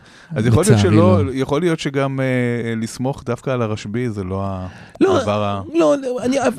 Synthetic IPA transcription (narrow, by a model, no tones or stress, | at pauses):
azjeχoliotʃelojeχo̞lijo̞t̪ʃeɡamelismo̞χd̪afkaːlaʁaʃbizelo̞aloavaʁaloania